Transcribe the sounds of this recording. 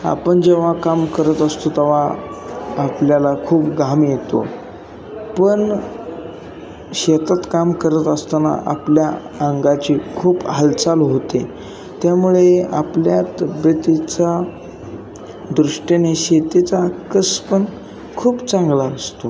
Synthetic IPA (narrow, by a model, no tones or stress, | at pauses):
a̰pəɳd͡ʑeʋ̤akamkəɾət̪əst̪ot̪əʋ̤aː | pljalakʰuːpɡamjet̪o̰ | pəɳ | ɕet̪at̪kamkəɾət̪əst̪ana̰ʔa̰plja | əŋɡat͡ɕiːkʰuːpɦəlt͡salɦot̪e | t̪jamuɭea̰pljat̪əbət̪it͡sa | d̪ɾuʂʈeneɕet̪et͡sakəspən | kʰuːpt͡sãŋɡlaəst̪o